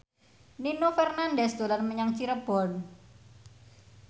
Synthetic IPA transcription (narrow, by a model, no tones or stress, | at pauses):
ninofɛrnandɛsd̪̥o̤lanməɲaŋt͡ʃiɾəb̥ɔ̤n